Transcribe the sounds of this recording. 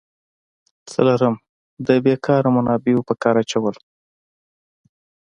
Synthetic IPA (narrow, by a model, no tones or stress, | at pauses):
t͡sə̰laɾəm | d̪əbekʰɑɾamʊnɑbeopəkɑɾat͡ʃawəl